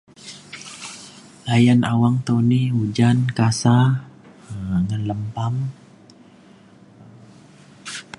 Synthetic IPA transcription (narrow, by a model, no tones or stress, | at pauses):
lajanawaŋt̪oniud͡ʒankasa | ŋanləmpam